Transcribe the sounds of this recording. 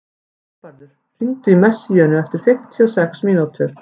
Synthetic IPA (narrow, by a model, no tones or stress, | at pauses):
paɾðʏɾ̥ | fɪnt̪ʏimɛsjœːnʏɛft̪ɪɾ̥fɪm̥t̪ʰiɔsɛksmiːnut̪ʰʏɾ̥